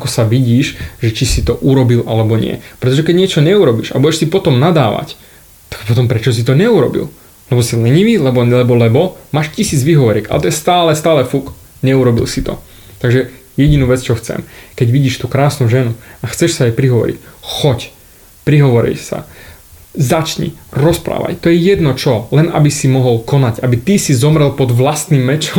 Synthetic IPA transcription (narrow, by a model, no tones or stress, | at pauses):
akɔsaʋiɟiːʃʒɛt͡ʃisit̪ɔʔuɾɔbilʔalɛbɔɲɪɛ̰pɾɛt̪ɔʒɛkɛɟɲɪɛt͡ʃɔɲɛuɾɔbḭːʃa̰buɟɛʃsipɔt̪ɔmnad̪aːʋa̰c | t̪ḁkpɔt̪ɔmpɾɛt͡ʃɔs̬it̪ɔɲɛuɾɔ̰bḭl | lɛbɔsilɛɲiʋiːlɛbɔlɛbɔlɛbɔmaːʃcisiːd͡zʋiɦɔʋɔɾika̰lɛ̰t̪ɔjɛst̪aːlɛst̪aːlɛfuk | ɲɛuɾɔbḭlsit̪ɔ̰ | t̪aɡʒɛjɛɟinuːʋɛt͡st͡ʃɔxt͡sɛ̰mkɛɟʋiɟiːʃt̪uːkɾaːsnuʒɛnuaxt͡sɛʃsaajpɾiɦɔʋɔ̰ɾḭcxɔc | pɾiɦɔʋɔɾḭjsa̰ | zat͡ʃɲḭɾɔspɾa̰ːʋa̰jt̪ɔjɛjɛd̪nɔt͡ʃɔlɛna̰bisimɔɦɔlkɔnacabit̪isizɔmɾɛlˠpɔd̪ʋlast̪nimːɛt͡ʃɔm